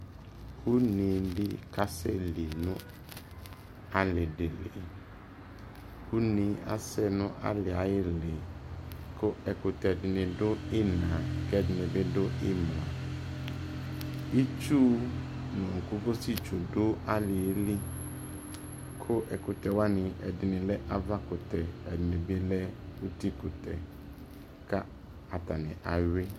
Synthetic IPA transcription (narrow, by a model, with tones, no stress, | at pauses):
u˦nɪ˨lɪ˦ka˨sɛ̰˦li˨nʊ̃˦ | a˨lɪ˨dɪ˨lɪ̰˨ | u˦nĩ˨a̰˦sɛ˦nʊ̃˦ʔa̰˦lɪ˨a˨jɪ˦lɪ˨ | kʰʊ˦ʔɛ˨kʊ˨tɛ˨dɪ˨nɪ̃˨dʊ˦ɪ˦nã˨kɛ˦dɪ˨nɪ˨bɪ˦dʊ˦ɪ˦m˨ã˨ | i˦t͡ʃu˦nʊ̃˨ŋ̩˨ku˦ko˦si˦t͡ʃo˨dʊ˦a˦lɪ˨e˦li˦ | kʰʊ˦ʔɛ˨kʊ˨tɛ˨wa˦nɪ̃˨ɛ̰˨dɪ˨nɪ̃˨lɛ˦ʔa˦va˦kʊ˨tɛ˨ɛ˨dɪ˨nɪ˨bɪ˦lɛ˦u˦ti˦kʊ˨tɛ̰˨ | ka˦ | a˨ta˨nɪ̰̃˨ʔa˨ɥɪ˦